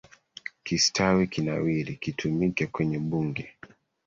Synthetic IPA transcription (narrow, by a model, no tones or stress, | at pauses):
kistʰawikinawiɾikitʰumikɛkwɛɲɛɓuŋɡɛ